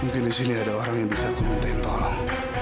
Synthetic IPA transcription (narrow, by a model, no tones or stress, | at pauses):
muŋkɪndisiniadaoɾaŋjaŋbisat̪imint̪aint̪ɔlɔŋ